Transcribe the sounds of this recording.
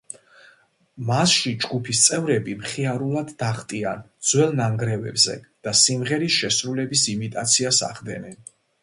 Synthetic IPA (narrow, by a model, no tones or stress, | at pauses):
masʃid͡ʒɡupʰist̪sʼɛvɾɛbimχiaɾulˠad̪ːaχt̪ʼiand̪z̥wɛlˠnaŋɡɾɛvɛ̰bzɛ̰ | d̪̥asimʁɛɾisʃɛsɾulɛbisimit̪ʼat̪sʰiasa̰ʁd̪ɛ̰nɛn